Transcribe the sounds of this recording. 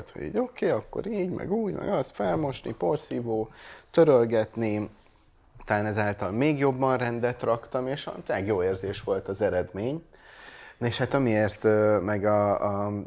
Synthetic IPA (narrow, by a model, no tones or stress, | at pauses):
t̪ho̰ɟḭːɟo̞keːɒkːo̰ɾiːɟmɛ̰ɡuːɟmɛ̰ɡɒst̪fɛlmo̞ʃnḭpo̞rsiːvoːt̪ø̞ɾølɡɛt̪ni | t̪ɒlaːnɛzaːlt̪ɒlmeːɡjo̞bːɒnrɛnd̪ɛt̪rɒkt̪ɒmeːʃɒ̰lɛɡjoːeːrzeːʃʋo̞lt̪ɒzɛɾɛd̪meːɲ | eʃhat̪ɒmieːrt̪mɛɡɒ